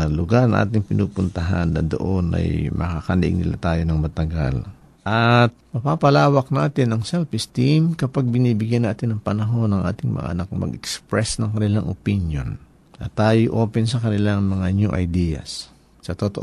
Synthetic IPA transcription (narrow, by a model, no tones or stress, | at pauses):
lʊɡaɾnɐ̰ŋʔa̰ːt̪ɪŋpɪnuːpʊnt̪ɐɦanːɐd̪o̰ʔo̞nɐ̰jmʔɐ̰kakɐlɐʔɪ̰ŋnɪ̰la̰t̪aːjo̞nɐŋmɐt̪ɐɡa̰l | ʔɐt̪̚mɐpapɐlaːwɐk̚naːt̪ɪnɐŋsɛlfɪst̪imkɐpaɡ̚bɪniːbɪɡjanːaːt̪ɪnːɐŋpɐnɐɦo̞nːɐŋʔa̰ːt̪ɪŋmɐ̰ŋʔa̰ʔɐ̰nak̚mɐ̰ɡɛkspɹɛsnɐŋkɐnɪlaŋʔo̰pinjo̰n | ʔɐt̪ːaːjoʔo̞ːpɛnsɐkɐnɪlaŋmɐŋaɲoʔɐ̰jd̪ijɐ̰sː | ɐt̪ot̪oʔ